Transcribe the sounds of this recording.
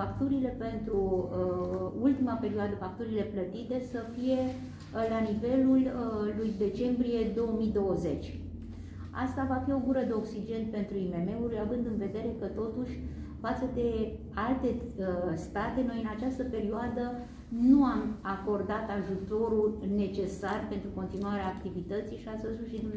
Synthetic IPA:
akt̪uɾile̞pe̞nt̪ɾu | ult̪imape̞ɾioad̪əfak̚t̪uɾile̞plət̪it̪e̞səfije̞ | lanive̞lulːujd̪e̞t͡ʃe̞mbɾije̞d̪o̞wəmid̪o̞wəze̞t͡ʃʲ | a̰st̪avafio̞ɡuɾəd̪e̞o̞ksid͡ʒe̞nt̪̚pe̞nt̪ɾuime̞me̞uɾavɨnd̪ɨnve̞d̪e̞ɾe̞kət̪o̞t̪uʃʲ | fat̪səd̪e̞ | alt̪e̞st̪at̪e̞no̞jɨnat͡ʃast̪əpe̞ɾioad̪ə | nuamako̞rd̪at̪aʒut̪o̞ɾune̞t͡ʃe̞sarpe̞nt̪ɾuko̞nt̪inuaɾeaːkt̪ivit̪ət̪sijʃiasəsuʃid̪u

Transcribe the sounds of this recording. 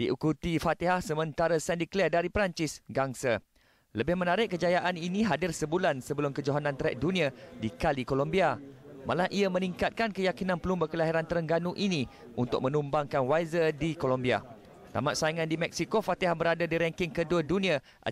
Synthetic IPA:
d̥iʔukut̪ifat̪iɦahsəmə̃nt̪aɾasɛndiklɛdaɾipɾaɲt͡ʃɪsɡaŋsa | ləbɪhmə̃naɾɪʔ̚kəd͡ʒajaʔaninĩɦadɪrsəbulansəbəlʊmkəd͡ʒoɦanãnt̪ɾɛ̰ʔ̚dunĩadikalikolombiama̰lahʔiamə̃niŋkat̪̚kankəjakinãnpəlumbakəlaɦiɾant̪əɾəŋɡanũʔinĩ | unt̪ʊ̰k̚mə̃numbaŋkanwajzədikolombia̰ | t̪a̰maʔ̪̚saiŋãndimɛk̚sikofat̪iɦahbəɾadadiɾɛŋkɪŋkəduədunĩa | ʔa̰

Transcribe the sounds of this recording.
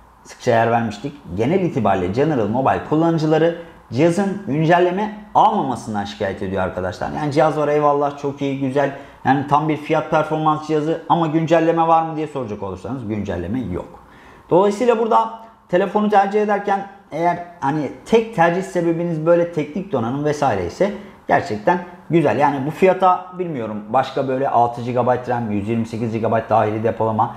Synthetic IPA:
sɯ̥k̚t͡ʃʰajæɾvæɾmiʃt̪ʰicɟe̞nɛlʲiːt̪ʰiba̰ɾlʲɛ̰d͡ʒanɯɾɯlˠmo̞ba̰lʲkʰulˠːanɯd͡ʒɯlˠaɾɯ | d͡ʒijazɯnɟynd͡ʒælʲːe̞mɛalˠmamasɯnd̪anʃi̥cʰaːjɛt̪ʰe̞d̪ijoa̰ɾkʰad̪a̰ʃlˠa̰ɾja̰ːnid͡ʒijazvaɾɛvalˠːaht͡ʃʰo̞kijiɟyzælʲ | jaːnit̪ʰambiɾfijat̪̚pʰæɾfo̞ɾmansd͡ʒijazɯamaɟynd͡ʒælʲːe̞mɛvaɾmɯd̪ijɛso̞ɾud͡ʒako̞lˠuɾsanɯzɟynd͡ʒæ̰lʲːe̞̰mɛjo̰k | d̪̥o̞lˠajsɯːlˠabuɾd̪a | t̪ʰe̞lʲe̞fo̞nut̪ʰæɾd͡ʒied̪æɾcænejæɾhanit̪ʰɛc̚t̪ʰæɾd͡ʒihse̞be̞binizbø̞jlʲɛt̪ʰɛcnic̚d̪o̞nanɯnvɛsaːiɾeisɛ | ɟ̥æ̰ɾt͡ʃʰɛc̚t̪ʰæn | ɟyzælʲjaːnibufijat̪ʰabilʲmijo̞ɾumbaʃkabø̞jlʲɛʔalˠt̪ʰɯd͡ʒiɡabajt̪ɾæmjyzjiɾmise̞cizd͡ʒiɡabajt̪̚d̪aːɦiɾid̪epʰo̞lˠama

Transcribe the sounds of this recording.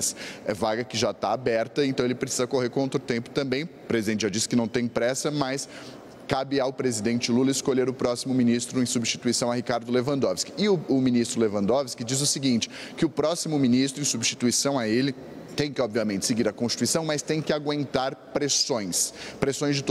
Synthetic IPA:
sɛvaɡɐkɪʒat̪aabɛɾt̪ɐẽnt̪ɐ̃w̃elɪpɾesizɐkoɦeɾkõot̪ɾʊt̪ẽmpʊ̥t̪ɐ̃mbẽj̃ | pɾezid̪ẽnt͡ʃɪawd͡ʒisɪkɪnɐ̃w̃t̪ẽj̃pɾɛsɐmɐs | kabɪawpɾezid̪ẽnt͡ʃɪlulɐɪskoʎeɾʊpɾɔsimʊmĩnist̪ɾʊẽj̃subɪst͡ʃi̥t̪uisɐ̃w̃ɐɦikaɾd̪ʊlevɐ̃nd̪ɔvɪskɪ̥ɪʊʊmĩnist̪ɾʊlevɐ̃nd̪ɔvɪskɪd͡ʒizʊsɪɡĩnt͡ʃɪ̥ | kɪʊpɾɔsimʊmĩnist̪ɾʊẽj̃subɪst͡ʃi̥t̪uisɐ̃w̃ɐelɪ | t̪ẽj̃kɪɔbviɐmẽnt͡ʃɪ̥seɡiɾɐkõst͡ʃi̥t̪uisɐ̃w̃mɐst̪ẽj̃kɪaɡwẽnt̪aɾpɾesõj̃spɾesõj̃zd͡ʒɪt̪

